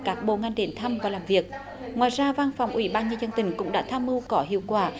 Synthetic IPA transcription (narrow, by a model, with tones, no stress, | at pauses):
kaː˦˥k̚ɓo̰˧˨ŋa˧jŋ̟ɗe˨˦nt̪ʰa˧mvaː˨˩laː˨˩mvi˨˩ək̚ | ŋwaː˨jzaː˧vaː˧nfwŋ͡mʔwḭ˧˩˦ɓaː˧nɲə˧nzə˧nt̪ï˧˩ŋ̟kʊ̰˧˥ŋ͡mɗa̰ː˧˥t̪ʰaː˧mʔɨ˧wkɔ˨˦ɦḭ˧˨əwkwaː˧˩